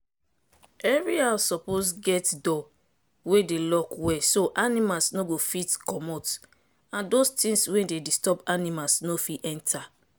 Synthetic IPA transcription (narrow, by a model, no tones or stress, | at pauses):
ɛɹiasɔposɡɛtdɔ | wedelɔkwɛsoʔanimalsnoɡofitkɔmɔt | ãndostĩswɛ̃dedistɔpanimalsnofiʔɛ̃ntʰa